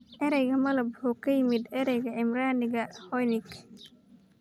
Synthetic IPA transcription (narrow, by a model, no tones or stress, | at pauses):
ʔɛɾɛjɣɐmɐlɐbhɔkʰɐjɪmɪd̪ɛɾɛjɣɐɪmɾaːnɪɣɐhɔjnɪɡ